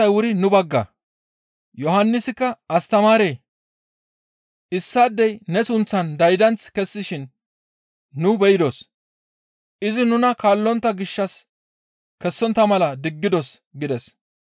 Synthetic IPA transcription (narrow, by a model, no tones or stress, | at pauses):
ɐjwʊɾɪnʊbɐɡːɐ̰ | jɔhɐnːɪsɪkːɐɐst̪ɐmaːɾeː | ʔɪsːaːd̪ːɛjnɛsʊnt͡sːɐnd̪ɐjd̪ɐnt͡skɛsːɪʃɪn | ʊbɛjɪd̪os | ʔɪzɪnʊnɐkaːlːɔnt̪ːɐɡɪʃːɐs | kɛsːɔnt̪ːɐmɐlɐd̪ɪɡːɪd̪ɔsɡɪd̪ɛs